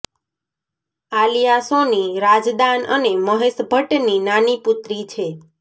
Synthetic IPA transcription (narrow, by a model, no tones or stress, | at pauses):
alijasoniɾad͡ʒd̪anə̰neməɦeʃbʱəʈninanipʊt̪ɾit͡ʃʰe